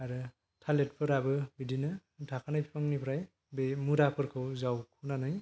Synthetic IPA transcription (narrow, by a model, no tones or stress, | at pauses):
aɾɯ | tʰalet̚pʰɯɾabɯbidinɯdʰʱakʰanɯjpʰɯŋnipʰɾaj | bemuɾapʰɯɾkʰɯwzawkʰunanɯj